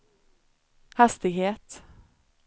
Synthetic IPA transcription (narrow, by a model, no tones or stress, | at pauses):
hɛst̪ɪɡheːt̪